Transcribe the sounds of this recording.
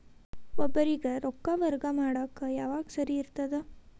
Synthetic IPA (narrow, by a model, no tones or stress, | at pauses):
ʋɐbɐɾiɡɐɾokːaʋɐɾɡɐmaːɽakːɐjaːʋaːɡsɐɾiːɾt̪ɐd̪e